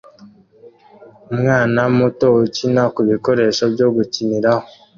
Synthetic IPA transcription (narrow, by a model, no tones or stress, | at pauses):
mwaːnamutoucinakuβiko̞ɾe̞ʃoβjo̞ɡuciniɾaho